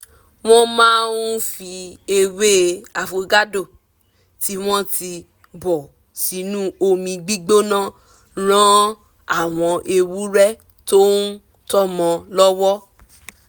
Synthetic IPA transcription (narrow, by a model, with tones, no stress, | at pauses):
w̃ɔ̃˦mãː˦n˦fi˧e˧we˦a˨fo˨ɡa˦do˦˨ | ti˦w̃ɔ̃˦ti˧ | bɔ˨ | si˨˦nũ˦o˧mĩ˧ɡ͡bi˦ɡ͡bo˦nã˦ | ɾ̃ã˦ | a˦˨w̃ɔ̃˨˧ʔe˧wu˦ɾɛ˦ | to˦n˦ | tɔ˦mɔ̃˧lɔ˦wɔ˦